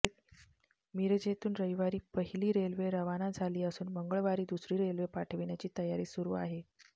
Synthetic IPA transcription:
e | miɾd͡ʑet̪uːnɾəjʋaɾiːpəɦiliːɾelʋeɾəʋanad͡zʱaliːəsuːnməŋɡəɭʋaɾiːd̪usɾiːɾelʋepaʈʰʋiɳjat͡ɕiːt̪əjaɾiːsuɾuaɦe

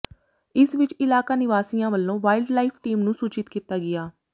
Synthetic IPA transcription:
ɪsʋɪt͡ʃɪlaːkaːnɪʋaːsijãːʋəlːõːʋaːɪlɖlaːiːpʰʈiːmnũːsuːt͡ʃɪt̪kiːt̪aːɡɪjaː

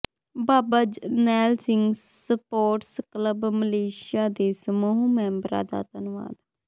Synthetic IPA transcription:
baːbəd͡ʒnɛːlsɪŋɡsəpoːʈskləbməleːʃjaːd̪eːsəmoːɦuːmɛ̃ːmbɾa̰ːd̪a̰ːt̪ənʊʋa̰ːd̪

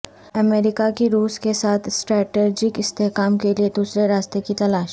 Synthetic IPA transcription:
ɐmeːɾɪkakiɾuːskesaːt̪ʰsʈɾɛːʈeːd͡ʒɪkɪst̪eɦkaːmkelied̪uːsɾeɾaːst̪ekit̪ɐlaːʃ

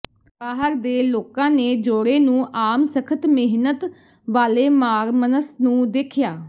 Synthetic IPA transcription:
paːɦəɾd̪eːloːkãːneːd͡ʒoːɽeːnũːʔaːmsəkʰət̪mɪɦnət̪ | ʋaːleːmaːɾmənəsnũːd̪eːkʰɪjaː

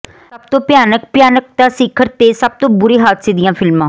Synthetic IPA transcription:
səbt̪õːpjaːnək̚pjaːnək̚t̪ãːsɪkʰːəɾt̪eːsəb̚t̪õːbʊɾeːɦaːd̪seːd̪ɪjãːpʰɪlmãː

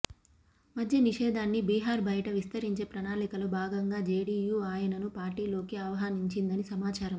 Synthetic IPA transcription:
mɐd̪ʱjɐniʂɛːd̪ʱaːnːibiːɦaːɾbʱɐjɐʈɐʋist̪ɐɾiɲt͡ʃe̞ːpɾɐnaːlikɐlobʱaːɡɐŋɡaːd͡ʒeːɽiːjuːaːjɐnɐnupaːɾʈiːlo̞ːkiɐʋɐɦaːniɲt͡ʃind̪ɐnisɐmaːt͡ʃaːɾɐm

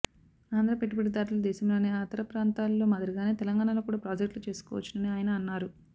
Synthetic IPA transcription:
aːnd̪ɾɐpeʈːipeʈ̬ːid̪aːɾulɐd̪ɛːʃɐmlo̞ːne̞ːaːt̪ɐɾɐpɾaːnt̪aːlːo̞ːmaːd̪ɐɾɐɡaːne̞ːt̪ɛlɐŋɡaːɳɐlo̞ːkuːɽaːpɾaːd͡ʒɐkʈlut͡ʃe̞ːsu̥kɔ̰ːʋɐ̰t͡ʃːinɐniaːjɐnɐːnːaːɾu

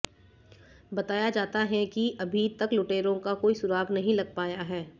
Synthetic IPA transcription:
bɐt̪aːjad͡ʒaːt̪aɦɛ̃kiʔɐbʱit̪ɐkloːʈeːɾõkakoːisʊɾaːɡnɐɦĩlɐɡ̚paːjaɦɛː

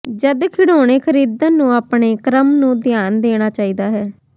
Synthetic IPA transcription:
d͡ʒəd̪kʰɪɽoːɽ̃eːkʰəɾiːd̪ãːnũːaːpɳeːkɾəmnũːd̪jaːnd̪eːɽ̃aːt͡ʃaːiːd̪aːɦɛː

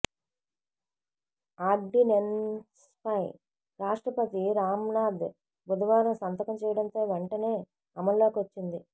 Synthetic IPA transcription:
aːɖinens | pʰɐj | ɾaːʂʈɾɐpɐt̪iɾaːmnaːd̪ | bud̪ɐʋaːɾɐmsɐnt̪ɐkɐmt͡ʃɛːjɐɽɐnt̪o̞ːʋeɳʈɐne̞ː | ɐmɐlloːkiʋɐt͡ʃːind̪i

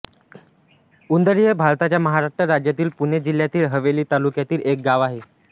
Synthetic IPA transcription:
und̪əɾijebʱaɾt̪at͡ɕjaməɦaɾaʂʈɾəɾad͡ʑjat̪iːlpuɳed͡ʑil̤jat̪iːlɦəʋeliːt̪alukjat̪iːlek̚ɡaʋaɦe

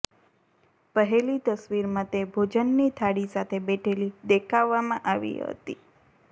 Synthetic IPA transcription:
pəɦelit̪əsʋiɾmãt̪ebʱod͡ʒənːit̪ʰaɽisat̪ʰebeʈʰelid̪ekʰaʋːamãʔaʋḭɦə̰t̪i

